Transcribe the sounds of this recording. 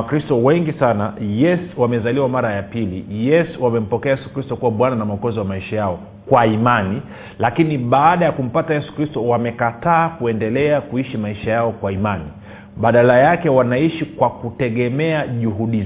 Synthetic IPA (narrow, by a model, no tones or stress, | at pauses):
kɾistɔwɛŋɡisanajɛsuwamɛzaliwamaɾajapilijɛsuwamɛm̩pɔkɛajɛsu̥kɾistɔkuwaɓwananamaɔkɔziwamaiʃajaɔ | kwaimani | lakiniɓaːɗajakum̩patajɛsu̥kɾistɔwamɛkataːkuɛndɛlɛakuiʃimaiʃajaɔkwaimani | ɓaɗalajakɛwanaiʃikwakutɛɠɛmɛaʄuɦuɗi